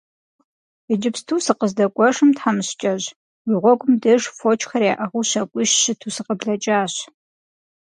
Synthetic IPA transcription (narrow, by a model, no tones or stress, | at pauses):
əd͡ʒɪpstʰuːsɨqəzdɐkʷʼɔʂɨmtħamɨɕt͡ʃʼɐʑ | wiːʁʷɔɡʷʼʊmdɨʂfot͡ʃʼxɐraːʔɐʁuːɕɐkʷʼiʃɕɨtʰuːsɨqəbɮɐt͡ʃʼaːɕ